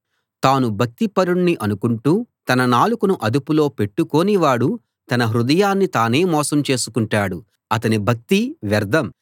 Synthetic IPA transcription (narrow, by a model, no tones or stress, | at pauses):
t̪aːnubʱɐk̚t̪ipɐɾuɳːiʔɐnukuɳʈuːt̪ɐnɐnaːlukunuʔɐd̪upulo̞ːpe̞ʈːuko̞ːniʋaːɽu | t̪ɐnɐɦɾud̪ɐjaːnːit̪aːne̞ːmɔːsɐmt͡ʃe̞ːsukuɳʈaːɽu | ɐt̪ɐnibʱɐk̚t̪iʋɛɾd̪ɐm